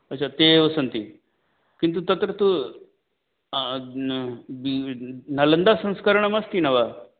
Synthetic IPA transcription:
ɐtːɕʰat̪eəsənt̪i | kint̪̬ut̪ɐt̪ɾət̪u | binɐlənd̪asə̃ñskəɾəɳ̃ɐmɐst̪inɐʋa

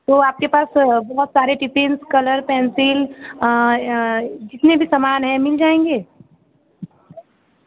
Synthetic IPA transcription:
t̪oːaːp̚kepaːsbɐɦʊt̪saːɾeʈipẽnskɐləɾpɛ̃ːnsɪl | d͡ʒɪt̪nebʱisəmaːnɦɛ̃mɪld͡ʒaːẽŋɡeː

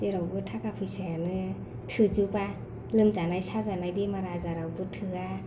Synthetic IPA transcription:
teɾawbɯtʰakapʰɯjsajanɯ | tʰɯzɯpa | lɯmzanajsazanajdimaɾazaɾawbɯtʰɯa

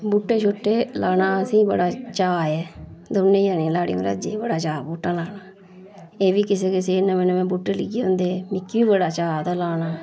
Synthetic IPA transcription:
buːʈːeːt͡ʃʰʊʈːeːlaːnaːəsĩːbə̰ɽaːt͡ʃaːɛːd̪oʊnːẽːjaːnẽːlaːɽḭ̃ːõɾa̰ːd͡ʒeːbəɽaːt͡ʃaːbuːʈːãːlaːnaː | eːʋiːkɪseːkɪseːɪnãːmɛ̃ːnõːmɛ̃ːbuːʈːeːlɪɡeːɦoʊ̃nd̪eːmɪkːʋiːbəɽaːt͡ʃaːt̪aːlaːnaː

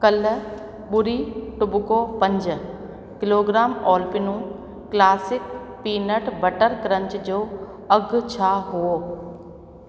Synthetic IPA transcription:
kɐl | ɓʊɾiʈʊbʊkopɐ̃ɲd͡ʑ | kɪloːɡɾaːmɔːlpɪnũ | klaːsɪk | piːnəʈbɐʈəɾkɾə̃ɲt͡ɕd͡ʑoː | ɐɡt͡ɕʰaɦuoː

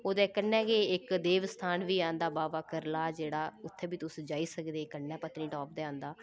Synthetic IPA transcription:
oːd̪ɛːkənːɛ̃ːkeːɪkd̪eːʋst̪ʰaːnʋiːãːnd̪aːbaːʋaːkəɾlaːd͡ʒeːɽaːʊt̪ʰːeːbiːt̪ʊsd͡ʒaːiːsəkd̪eːkənːɛ̃ːpət̪niːʈɔːp̚d̪eːãːnd̪aː

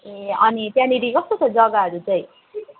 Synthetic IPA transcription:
eʌnit̪jãniɾikʌst̪ot͡sʰʌd͡zʌɡaɦʌɾut͡sʌj̃

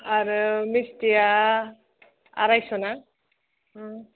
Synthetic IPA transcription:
aɾɯmistija | a̰ɾajsona

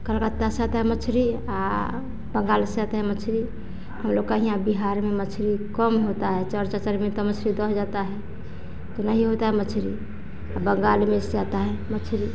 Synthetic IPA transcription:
kəlkət̪ːasat̪aɦɛmət͡ʃʰɾi | a | bəŋɡalsed͡ʒat̪aɦɛmət͡ʃʰɾi | həmloɡkaɦijãbiɦaɾmemət͡ʃʰɾikəmɦot̪aɦɛt͡ʃəɾt͡ʃat͡ʃəɾmet̪ɔmət͡ʃʰɾid̪ɔd͡ʒat̪aɦɛ | t̪onəɦiɦot̪aɦɛmət͡ʃʰɾḭ | abəŋɡalmesed͡ʒat̪aɦɛmət͡ʃʰɾi

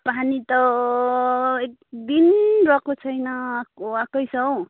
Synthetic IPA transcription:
panit̪ʌ | ekd̪inrʌkot͡sʰʌjnʌakoakʌjsʌw

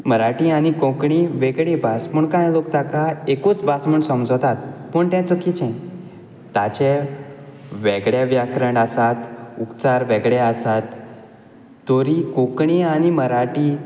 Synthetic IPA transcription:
məɾaʈiaɽ̃ikõkɳiʋeɡɭẽbasməɳkãjlokt̪akaekut͡sbasməɳsəmd͡zwt̪at̪pəɳt̪jɛ̃t͡səkit͡ɕɛ̃ | at͡ɕɛ | ʋɛɡɭjeʋjakɾəɳɖasat̪upt͡saɾʋɛɡɭɛəsat̪ | oɾikõkɳiaɽ̃iməɾaʈi

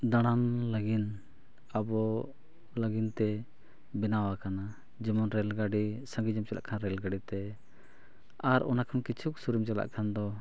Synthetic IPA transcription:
d̪aɽ̃amləɡin | abɔ | ləɡint̪ɛ | bɛnawakana | d͡ʒimɔnɾɛlɡaɖisə̃ŋɡid͡ʒɔmt͡ʃɛla̰ʔkʰanɾɛlɡaɖit̪ɛ | aɾɔnakʰankit͡ʃʰuksuɾimt͡ʃɛla̰ʔkʰand̪ɔ

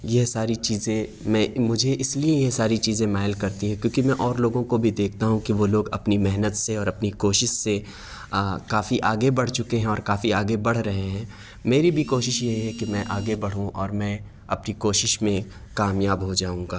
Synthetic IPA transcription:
jesaːɾit͡ʃiːzẽmɛ̃mʊd͡ʒʱeʔɪsliejesaːɾit͡ʃiːzẽmaːɦəlkɐɾt̪iɦɛ̃kjõːkimɛ̃ʔɔːɾloːɡõkobʱid̪eːk̚ʰt̪aɦũkiʋoloːɡɐpnimɛɦnət̪seɔːɾɐpnikoːʃɪʃse | kaːfiʔaːɡebɐɽ̤t͡ʃʊkeɦɛ̃ɔːɾkaːfiaːɡebɐɽ̤ɾɐɦẽɦɛ̃ː | meːɾibʱikoːʃɪʃjeɦɛkimɛ̃ʔaːɡebɐɽ̤ũʔɔːɾmɛ̃ː | ɐpnikoːʃɪʃmẽ | kaːmjaːbɦod͡ʒaːũːɡaː

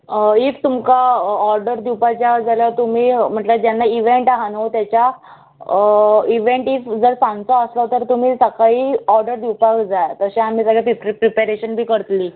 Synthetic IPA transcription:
ikt̪umkaɔɾɖəɾd̪iwpat͡ɕjad͡zaljat̪umiːm̤əɳʈləd͡ʑjanːaiʋeɳʈaɦanəwt̪jat͡ɕja | iʋẽɳʈifd͡zəɾsãŋɡt͡sɔəslɔt̪əɾt̪um̤iːsəkaɦiːɔɾɖəɾd̪iwpakd͡zajt̪əsẽam̤iːsəɡʱɭjapipɾipaɾeɕənbʱiːkəɾt̪liː

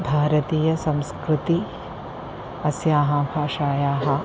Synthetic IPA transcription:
bʱaːɾɐt̪iːjɐsɐ̃mskɾɪt̪i | ɐsjaːɦɐbʱaːʃaːjaːɦɐ̆

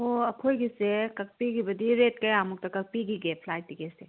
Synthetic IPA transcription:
oɐkʰojɡisekɐk̚piɡibɐd̪iɾet̚kɐjamuk̚tɐkɐk̚piɡiɡepʰlajtːiɡese

